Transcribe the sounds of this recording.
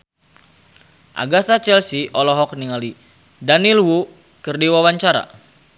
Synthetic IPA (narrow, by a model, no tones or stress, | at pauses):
ʔa̰ɡat̪at͡ʃɛlsiʔɔlɔɦɔk̚niŋali | danilwu | kərdiwawaɲt͡ʃaɾa̰